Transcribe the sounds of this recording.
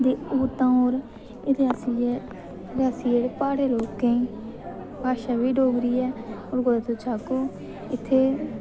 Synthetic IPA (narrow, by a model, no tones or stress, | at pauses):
d̪eːuːt̪ãːoːɾ | ɪd̪asi | ɾaːsiːeːɽepaːɽeːloːkːẽĩ | baːʃaːʋiːɖoːɡɾiːɛːoːɾɡoːlat̪oːt͡ʃʰaːkoː | ɪt̪ʰːeː